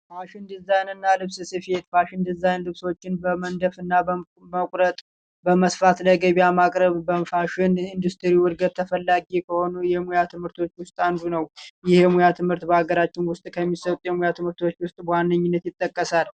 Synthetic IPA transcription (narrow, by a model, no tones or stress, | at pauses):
faʃɪnd̪ɨzajnɨnːalɨβsɨsɨfhe̞t̪faʃɪnd̪ɨzajnlɨβso̞t͡ʃːɪnbəmənd̪əfɨnːabə | məkʷʼɾət̪ʼ | bəməsfat̪ləɡəβjamakʼɾəβbəfaʃɪnind̪ust̪ʰɨɾiwɨɾɡət̪ʰːəfəlːaɡikʰəho̞nujɛmujat̪ʰɨmhɨɾt̪ʰo̞t͡ʃːwʊst̪ʼand̪unəwjɪhɛmujat̪ʰɨmhɨɾt̪bəaɡəɾat͡ʃːɪnwʊst̪ʼkʰəmːisət̪ʼjɛmujat̪ʰɨmhɨɾt̪ʰo̞t͡ʃːwʊst̪ʼbəwanːəɲːɪnːət̪jɪt̪ʼːəkʼːəsal